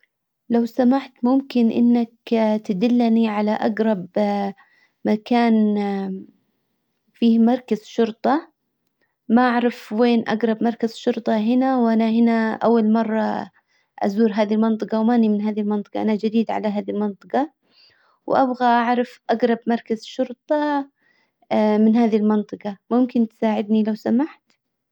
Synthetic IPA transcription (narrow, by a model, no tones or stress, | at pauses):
lawsamaʕt̪mʊmkɪnʔɪ̰nːakt̪ad̪ɪlːniʕalaʔaɡɾˤɑb | makaːn | fiːmɑɾˤkaz̥ʃʊɾt̪ˤɑ | maʔaʕɾˤɑfweːnʔa̰ɡɾˤɑbmɑɾˤkaz̥ʃʊɾt̪ˤɑɦɪnawʔanahɪnaʔa̰wːalmɑrˤːɑ | ʔa̰zuːɾɦaːðilmɑnt̪ˤɨqɑwmaʔnimɪnɦaːðilmɑnt̪ˤɨ̥qɑ̰ʔanad͡ʒad̪iːd̪ʕa̰laɦaːðilmɑnt̪ˤɨqɑ | wʔabɣaʔaʕɾˤɑfʔaɡɾˤɑbmɑɾˤkazʃʊɾt̪ˤɑ | mɪnɦaːðilmɪnt̪ˤɨqɑmʊmkɪnt̪saːʕɪd̪nilawsamaħt̪